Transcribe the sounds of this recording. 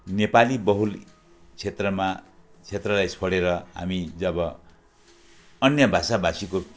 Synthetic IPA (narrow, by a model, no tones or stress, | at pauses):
nepalibʌɦul | t͡sʰet̪rʌma | t͡sʰet̪rʌlajt͡sʰʌɽeɾʌɦa̰mid͡zʌbʌ | ʌnjʌbʱasabasiko